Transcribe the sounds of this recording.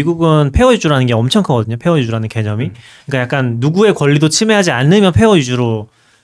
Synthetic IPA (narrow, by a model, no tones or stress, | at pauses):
iɡuɡɯnpʰe̞ʌjud͡ʑuɾanɯnɡe̞ʌmt͡ɕʰʌŋkʰaɡʌdɯɲopʰe̞ʌjud͡ʑuɾanɯnke̞d͡ʑʌmikɯɲik͈ajak͈anːuɡue̞kwʌʎːidot͡ɕʰime̞ɦad͡ʑianːɯmjʌnpʰe̞ʌud͡ʑuɾo